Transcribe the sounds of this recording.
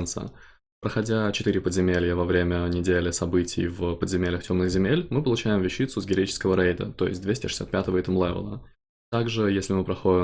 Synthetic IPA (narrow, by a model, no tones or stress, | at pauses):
nsɨ̰ | pɾəxɐdʲat͡ɕɪt̪ɨɾʲɪpəd̪zʲɪmʲelʲjəvɐvɾʲemʲənʲɪdʲelʲɪsɐbɨtʲɪ̰jvpəd̪zʲɪmʲelʲəxtʲo̞mnɨxzʲɪmʲelʲmɨpəlˠʊt͡ɕæjɪmvʲɪɕːit̪sʊzɡʲɪɾɐit͡ɕɪ̥skəvəɾejd̪ə̰t̪o̞jɪsʲt̚ʲdvʲesʲtʲɪʂɨ̥sʲa̰t̪pʲæt̪əvəit̪əmlˠɛvə̰lˠə̰ | t̪aɡʐɨjesʲlʲɪmɨpɾɐxoɪ